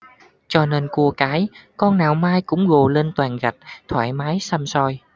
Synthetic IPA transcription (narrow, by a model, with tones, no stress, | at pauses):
t͡ɕɔ˧ne˧nku˧əkaː˨˦jkɔ˧nnaː˨˩wmaː˧jkʊ̰˧˥ŋ͡mɣo˨˩le˧nt̪waː˨˩nɣa˨˩t̚t̪ʰwaː˧˩jmaː˨˦jsa˧msɔ˧j